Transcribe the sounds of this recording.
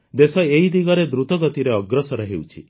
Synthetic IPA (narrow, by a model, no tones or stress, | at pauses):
d̪esɔeɦid̪iɡɔɾed̪ɾut̪ɔɡɔt̪iɾeɔɡɾɔsɔɾɔɦewt͡ʃʰi